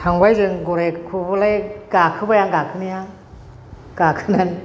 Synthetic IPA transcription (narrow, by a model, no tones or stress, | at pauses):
tʰaŋbajzɯŋɡɔɾakʰubɯlajɡ̥akʰɯbajaŋɡakʰɯnija | ɡ̥akʰɯnan